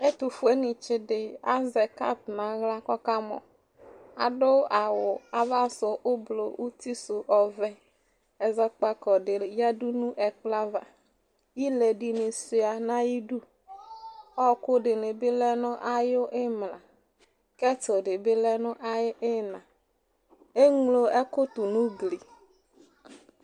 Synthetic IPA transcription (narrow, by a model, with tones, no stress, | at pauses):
e˦t̪u˨fʊ˨e˦nɪ˨t͡ʃɪ˨dɪ˨a˦zɛ˨ka̰˦tna˨ɣla˦kɔ˦ka˦mɔ̰˨ | a̰˨dʊ˦ʔa˨wʊ˨a˨va˦sʊ˨ʔʊ˦blo˨ʔu˦ti˦sʊ˨ʔɔ˨vɛ˦ | ɛ˨zɛ˦k͡pa˦kɔ˨dɪ˨ja˦du˦nʊ̃˦ʔɛ˨k͡pla˦va˨ | i˦lɛ˨di˨nɪ˨sʊ˨a˨na˦ji˦du˦ | ɔ˦kʊ˦dɪ˨nɪ˨bɪ˦lɛ˦nʊ˦ʔa˦jʊ˦ʔɪ˦mla˨ | kɛ˦tʊ˨dɪ˨bɪ˦lɛ˦nʊ˦ʔa˦jɪ˦ʔɪ˦nã˨ | e˦ŋlo˨ɛ˦kʊ˦t̪ʊ˨nũ˦ɡli˨